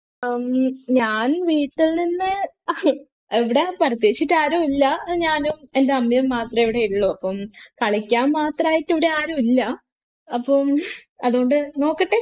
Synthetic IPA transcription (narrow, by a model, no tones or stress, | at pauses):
mɲaːnʋiːʈːilninːɨ | eʋiɽe̞pɐrɐt̪jeːt͡ɕːitːaːɾoilːɐɲaːnume̞ndeɐmːjɐmːaːt̪rɐmeʋiɽe̞iɾuɭːuɐpːɐmkɐɭɐkʲːaːnmaːt̪raːjitːiʋiɽeaːɾomilːɐ | ɐpːom | ɐðuɣoɳɖɨno̞ːkːɐʈːe